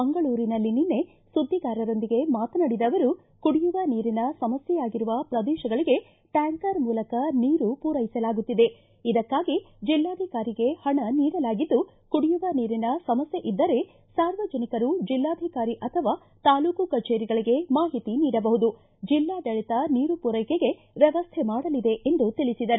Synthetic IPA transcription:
ɐŋɡɐɭuːɾinɐlːininːe̞ | sud̪ʱːiɡaːɾɐɾo̞nd̪iɡe̞maːt̪ɐnɐɽid̪ɐʋɐɾu | kuɽijuʋɐniːɾinɐsɐmɐsjɛjaːɡiɾuʋɐpɾɐd̪ɛːʃɐɡɐɭiɡe̞ | ʈaːŋkɐɾmuːlɐkɐniːɾupuːɾɐjisɐlaːɡut̪ːid̪e̞ | id̪ɐkːaːɡi | d͡ʒilːaːd̪ʱikaːɾiɡe̞hɐɳɐniːɾɐlaːɡid̪ːu | kuɽijuʋɐniːɾinɐsɐmɐsjeʔid̪ːɐɾe̞ | saːɾʋɐd͡ʒɐnikɐɾud͡ʒilːaːd̪ʱikaːɾiʔɐt̪ʰɐʋaː | t̪aːluːkukɐt͡ʃeːɾiɡɐɭiɡe̞maːɦit̪iniːɽɐbɐɦud̪u | d͡ʒilːaːd̪ɐɭit̪ɐniːɾupuɾɐjkeɡe̞ | ʋjɛʋɐst̪ʰɛmaːɽɐlid̪e̞ʔend̪ut̪iɭisid̪ɐɾu

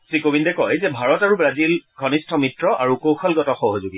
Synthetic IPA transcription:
tɹikobindɛkɔjzɛbʱaɹɔtaɹubɹazilkʰɔnistʰɔmitɹɔʔaɹukowxʰɔlɡɔtɔxɔɦozuɡi

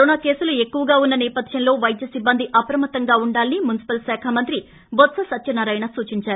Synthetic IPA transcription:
ɾoːnaːke̞ːsulue̞kːuʋɐɡaːunːɐnɛːpɐd̪ʰʱjɐnlo̞ːʋɐjd̪jɐsibːɐnd̪iʔɐpɾɐmɐt̪ɐŋɡaːuɳɖaːlɐnimunisi̥pɐlsaːkʰaːmɐnt̪ɾi | bot̪sɐsɐt̪ːt͡ʃɐnɐɾɐjnɐsuːt͡ʃiɲt͡ʃaːɾu

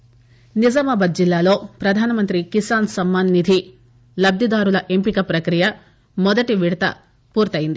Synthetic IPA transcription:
nid͡ʒɐmɐbɐt̪̚d͡ʒilːaːlo̞ːpɾɐd̪ʱaːnɐmɐnt̪ɾikisaːnsɐmːaːnːid̪ʱi | lɐb̚d̪ʱid̪aːɾulɐʔe̞mpikɐpɾɐkɾijɐ | mɔd̪ɐʈiʋiɽɐt̪ɐ̰ | puːɾt̪ɐjind̪i

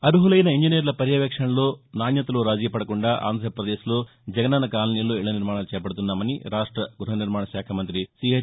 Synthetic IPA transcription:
ɐɾuɦulɐjnɐiɲd͡ʒiniɾɐlɐpɐɾjɐʋekʂɐɳɐlunaːnjɐt̪ɐluɾaːd͡ʒijɐpɐɽɐkɔɳɖɐʔa̰ːnd̪ʱɾɐpɾɐd̪eːsɐlu | d͡ʒɐɡɐnɐnɐkaːlɐnjɐlːuiɭɐniɾmaːɳɐɐlt͡ʃɛːpɐɽut̪̬unːɐmɐniɾaːʂʈɾɐɡɾuɦɐniɾmaːɳɐʃaːkʰɐmɐnt̪ɾisiːɦɐ

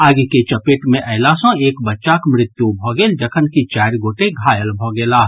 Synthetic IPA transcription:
aːɡiket͡ʃəpeʈmẽʔəɪlasɔ̃eːkbətːʃakmɾɪt̪jubʱɔɡeːld͡ʒəkʰənkit͡ʃaɾɡoːʈeɡʱaːjəlbʱɔɡeːlaːɦ

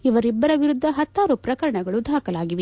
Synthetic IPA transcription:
iʋɐɾibːɐɾɐʋiɾud̪ʱːɐɦɐt̪ːaːɾupɾɐkɐɾɐɳɐɡɐɭud̪ʱaːkɐlaːɡiʋe

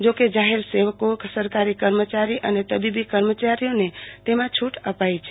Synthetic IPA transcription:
d͡ʒoked͡ʒaɦeɾseʋəkoksəɾkaɾikəɾmət͡ʃaɾiʔənet̪əbibikəɾmət͡ʃaɾijõnet̪emãt͡ʃʰuʈəpajt͡ʃʰ

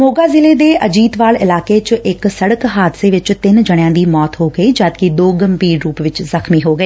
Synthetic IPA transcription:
moːɡaːzɪleːd̪eːəd͡ʒiːt̪ʋaːlɪlaːkeːt͡ʃɪksəɽəkɦaːd̪seːʋɪt͡ʃt̪ɪnd͡ʒəɽ̃jãːd̪iːmɔːt̪ɦoːɡəiːd͡ʒaːd̪kɪd̪oːɡəmpiːɾɾuːpʋɪt͡ʃzəxʰmiːɦoːɡəeː

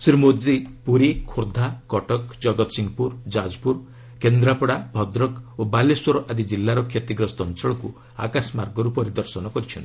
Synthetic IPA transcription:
siɾmod͡ʒipuɾikʰoɾd̪ʱakɔʈɔkd͡ʒɔɡɔt̪ɔsiŋɡɔpuɾd͡ʒad͡ʒpuɾ | kend̪ɾapɔɽabʱɔd̪ɾɔkobaleswɔɾɔʔad̪id͡ʒilːaɾɔkʰjet̪iɡɾɔst̪ɔnt͡ʃɔɭɔku | a̰kasmaɾɡɔɾupɔɾid̪ɔɾsɔnɔkɔɾit͡ʃʰɔnt̪i̥

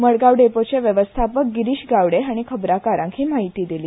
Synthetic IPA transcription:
məɭɡaʋɖepot͡ɕeʋjəʋəst̪ʰapək̚ɡiɾiɕɡaʋɽeaɽ̃ikʰəbɾakaɾãŋkʰiːmaɦit̪iːd̪iliː

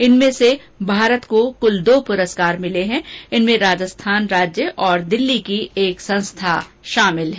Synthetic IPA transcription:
ɪnmẽse | bʱaːɾət̪kokʊld̪oːpʊɾəskaːɾmɪleɦɛ̃ɪnmẽɾaːd͡ʒəst̪ʰaːnɾaːd͡ʒjəʔɔːɾd̪ɪlːikieːksɐ̃nst̪ʰaʃaːmɪlɦɛː

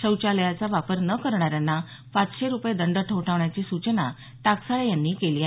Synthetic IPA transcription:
ɕəwt͡ɕaləjat͡saʋapəɾnəkəɾɳaɾjanːa | pat͡sɕeɾupjed̪əɳɖəʈʰəʋʈʰaʋɳjat͡ɕiːsut͡ɕna | t̪aksaɭejanːiːkelia

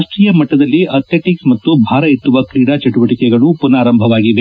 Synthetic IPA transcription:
ʂʈɾijɐmɐʈːɐd̪ɐlːiʔɐt̪jeʈiksmɐt̪ːubʱaːɾɐit̪ːuʋɐkɾiːɽat͡ʃɐʈuʋɐʈikɛɡɐɭupunaːɾɐmbʱɐʋaːɡiʋe

